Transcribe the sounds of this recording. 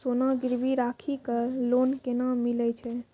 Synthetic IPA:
sonaɡiɾbʱiɾakʰikəlonkenamilɛt͡ʃʰɛ

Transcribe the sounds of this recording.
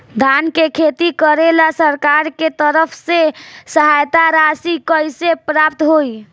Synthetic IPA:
d̪ʱankekʰet̪ikəɾelasəɾkaɾket̪əɾəpʰsesəɦajt̪aɾasikəjsepɾapt̪ɦoj

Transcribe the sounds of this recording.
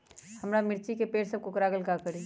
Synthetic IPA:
hɐmɾamɪɾt͡ʃikepeːɾsɐb̚kʊkɾaːɡəlkakɐɾi

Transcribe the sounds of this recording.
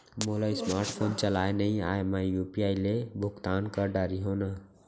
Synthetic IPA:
molajsmaɾʈpʰont͡ʃəlaenəia̰emajupiajlebʱukt̪ankəɖaɾiɦonə

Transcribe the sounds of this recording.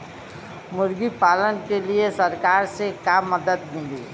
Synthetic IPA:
mʊɾɡipaːlənkeliesəɾkaːɾsekaːmːəd̪ət̪mɪ̃ld̪i

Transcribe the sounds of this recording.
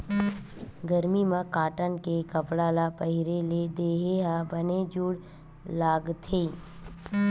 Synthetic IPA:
ɡəɾmimə̃kaːʈənkekəpɽaːlapəɦɪɾeled̪eːɦeɦabəned͡ʒuːɽ | laːɡt̪ʰeː

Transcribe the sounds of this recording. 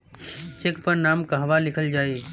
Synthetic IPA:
t͡ʃekpɐɾnaːmkãɦʋalɪkʰəld͡ʒaːeː

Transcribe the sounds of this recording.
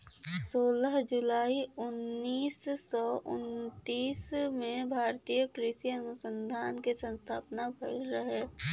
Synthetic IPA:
soːləɦd͡ʒʊlaːiʊnːiːsːɔʔʊ̰nt̪iːsmẽbʱaːɾt̪iːjəkɾɪsiənʊsə̃nd̪ʱaːnkesə̃nst̪ʰaːpnabʱəɾəɦe

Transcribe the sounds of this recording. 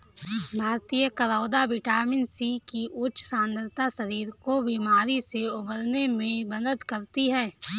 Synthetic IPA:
bʱaːɾt̪ijəkɐɾaːd̪aʋɪʈaːmɪnsikiʔʊtːʃsãːnd̪əɾt̪asɐɾiːɾkobiːmaːɾiseʊbəlnemẽbɐd̪əd̪kɐɾt̪iɦɛː

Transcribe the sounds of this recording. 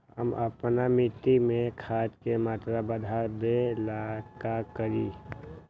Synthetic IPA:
həməpnamɪt̪imẽkʰaːd͡ʒ̪kemaːt̪ɾabəd̪ʱaɾb̪elaːkakəɾiː

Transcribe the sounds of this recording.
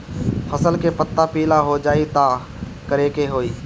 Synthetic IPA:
fʰəsəlkepət̪ːapiːlaɦod͡ʒaːit̪a | kəɾeːkeɦoːiː

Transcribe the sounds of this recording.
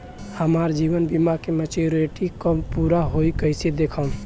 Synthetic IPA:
həmaɾd͡ʒibənbimakemət͡ʃoɾeʈikəmpuɾaɦoikəjsed̪ekʰə

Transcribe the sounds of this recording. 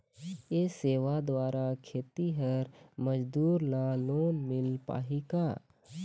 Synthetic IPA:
jeːseːʋad̪waːɾakʰeːt̪iɦəɾməd͡ʒd̪uːɾlaloːnmɪlpa̰ːɦikaː

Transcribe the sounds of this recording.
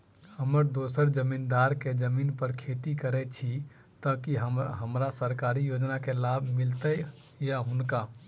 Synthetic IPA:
həməɾd̪osəɾd͡ʒəmind̪aɾked͡ʒəminpəɾkʰet̪ikəɾɛt͡ʃʰi | t̪əkiɦəɦəmɾasəɾkaɾijod͡ʒnakelabʱmilt̪ə | jaɦunka

